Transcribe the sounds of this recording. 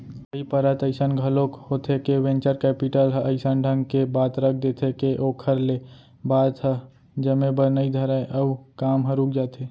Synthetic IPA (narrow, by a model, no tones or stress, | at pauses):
əipəɾət̪əɪsənɡʱəlokhot̪ʰekewẽnt͡ʃəɾkɛpiʈəlɦəɪsənɖʱə̃ŋɡkebaːt̪ɾək̚ʰd̪et̪ʰekeʔokʰəɾle | baːd̪ɦə | d͡ʒəmebənəid̪ʱəɾaeʔəukaːmɦə̃ɾuːk̚d͡ʒaːt̪ʰe